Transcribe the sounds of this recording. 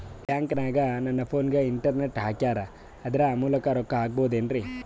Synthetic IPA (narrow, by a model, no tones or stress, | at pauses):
bjaːŋkɐnaːɡɐnɐnːɐpʰoːnɡeiɳʈɐɾneʈɦaːkijaːɾɐ | ɐd̪ɐɾeamuːlɐkɐɾɔkːɐɦaːɡ̚boːd̪eːnɾi